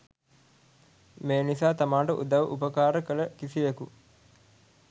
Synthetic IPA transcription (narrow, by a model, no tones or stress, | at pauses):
meːnisaːt̪amaːɳʈəʔṵd̪aʋʔupəkaːɾəkələkisiʋeku